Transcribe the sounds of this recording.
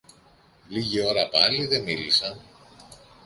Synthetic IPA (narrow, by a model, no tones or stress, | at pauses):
liʝio̞ɾɐpɐliðe̞milisɐn